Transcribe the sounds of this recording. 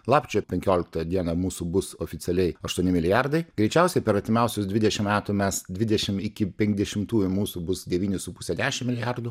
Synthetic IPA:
lˠɑːpʲt͡ʃʲɛpʲɛŋʲkʲoːlʲɪk̚t̪ɐd̪ʲiɛnɐmuːsubʊsoːfʲɪt̪sʲɪɛlʲɛɪɐʃt̪uɔnʲɪmʲɪlʲɪjɑrd̪ɐɪɡɾʲɛɪt͡ʃʲɛˑʊsʲɛɪpʲɛɾɐtʲt̪ʲɪmʲɛʊsʲʊsd̪ʲʋʲɪd̪ʲɛʃʲɪmmʲæːt̪umʲɛsd̪ʲʋʲɪd̪ʲɛʃʲɪmɪkʲɪpʲɛŋʲɡʲd̪ʲɛʃʲɪmt̪uːjʊmuːsubʊsd̪ʲɛʋʲiːnʲʊsʊpʊsʲɛd̪ʲæːʃʲɪmmʲɪlʲɪjɑrd̪ʊ

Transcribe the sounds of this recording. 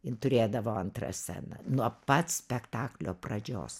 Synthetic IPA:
ɪnt̪ʊɾʲeːd̪ɐʋoːɐnt̪rɐ̰sʲæ̰nɐ̰nuɔpɐt̪sʲpʲɛkt̪ɑːklʲo̰ːprɐd͡ʒʲo̰ːs

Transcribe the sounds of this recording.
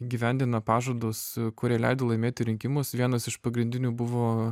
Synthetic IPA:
ɡʲiːʋʲɛnʲd̪ʲɪnɐpɑːʒoːd̪oskʊɾʲɛlʲɛɪd̪olˠɐɪmʲeːt̪ʲɪɾʲɪŋʲkʲɪmʊsʋʲiɛnɐsɪʃpɐɡɾʲɪnʲd̪ʲɪnʲuːbʊʋoː

